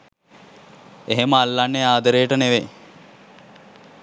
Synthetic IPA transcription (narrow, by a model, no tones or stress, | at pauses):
eɦeməalːanːeaːd̪əɾejəʈəneʋe